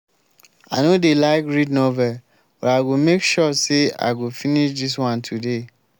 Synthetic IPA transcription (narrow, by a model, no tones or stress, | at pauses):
anodelaɪkɹidnɔvɛ | bɔɾaɡomekʃɔsea̰ɡofiniʃdis̬wãntʰude